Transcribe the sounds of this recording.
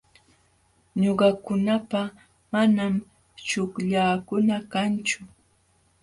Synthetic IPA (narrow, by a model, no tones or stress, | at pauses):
ɲoɢɑkʊnapa | manam | t͡ʃʊkʎaːkʊnakant͡ʃʊ